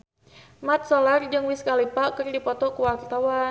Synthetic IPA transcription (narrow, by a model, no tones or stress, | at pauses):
mat̪̚solard͡ʒɨŋwiskalipakərdipɔt̪ɔkuwart̪awa